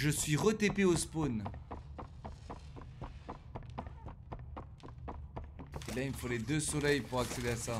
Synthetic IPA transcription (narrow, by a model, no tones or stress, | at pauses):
ʒəsɥiʁət̪epeospon | elaimfoled̪øsɔlɛjpuʁaksed̪easa